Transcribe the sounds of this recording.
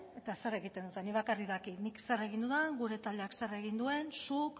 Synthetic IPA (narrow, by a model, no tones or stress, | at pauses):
e̞t̪asere̞ɣit̪e̞nd̪ut̪eniβakarikðakiniksere̞ɣ̞ind̪uðaŋɡuɾe̞t̪ald̪e̞aksere̞ɣ̞ind̪ue̞nsuk